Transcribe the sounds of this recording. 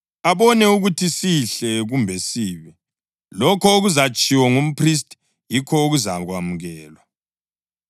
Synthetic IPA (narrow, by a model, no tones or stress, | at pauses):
aβɔnɛuɣutʰisiɬɛɣumbʱɛsiːβi | lɔkʰɔoɣuzat͡ʃʼiwɔŋum̩pʰris̬tʰʼ | jikʰɔoɣuzaɣwamuɣɛːlwa